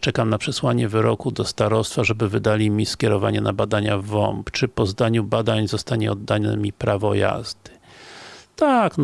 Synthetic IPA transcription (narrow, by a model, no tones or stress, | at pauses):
t͡ʂɛkamnapʂɛswaɲɛvɘɾɔkud̪ɔst̪aɾɔst̪faʐɛbɘvɘd̪alʲimʲiskʲɛɾɔvaɲɛnabad̪aɲavɔ̰mpt͡ʂɘpɔzd̪aɲubad̪aɲzɔst̪aɲɛɔd̪ːaɲɛmʲipɾavɔja̰zd̪̥ɘ | t̪akn